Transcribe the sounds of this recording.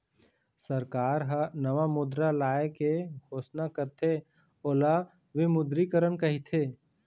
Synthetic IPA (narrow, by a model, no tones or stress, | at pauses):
səɾkaːɾɦənɐʋamʊd̪ɾalaːekeɡʱoːsnakəɾt̪ʰe | oːla | ʋemʊd̪ɾikəɾənkɐɦit̪ʰeː